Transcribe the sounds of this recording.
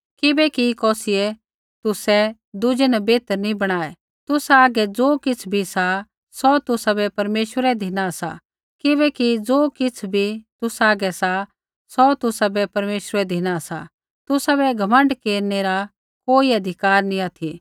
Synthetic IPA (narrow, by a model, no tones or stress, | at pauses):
kɪbɛkikɔːsɪɛ | t̪ʊsɛ | d̪ʊd͡ʒɛnɛbeːt̪əɾnĩbɐɽ̃aːɛ | t̪ʊsaːɡɛd͡zoːkɪt͡sʰbʱisa | sɔt̪ʊsabɛpɐɾmeːʃwəɾɛd̪ʱɪnasa̰ | kɪβɛkid͡zoːkɪt͡sʰbʱit̪ʊsaːɡɛsa | sɔt̪ʊsabɛpɐɾmeːʃɾɛd̪ʱɪnasa̰ | t̪ʊsabɛɡʱɐmə̃ɳɖkeːɾneɾa | koːiɐd̪ʱɪkaːɾnĩaːt̪ʰi